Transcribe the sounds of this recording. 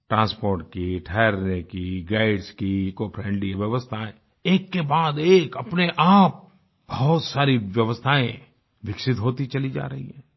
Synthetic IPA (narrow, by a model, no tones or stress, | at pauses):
ʈɾãːspoːɾʈ̚kiʈʰɛːɾnekiɡaːɪɖskikopʰɾɛ̃ːɳɖliʋjɐʋəst̪ʰaẽ | eːkːebaːd̪eːkɐpneʔaːp̚ | bɐɦʊt̪saːɾiʋjɐʋəst̪ʰaːẽ | ʋɪksɪt̪ɦoːt̪it͡ʃɐlid͡ʒa̰ːɾɐɦḭɦɛ̃ː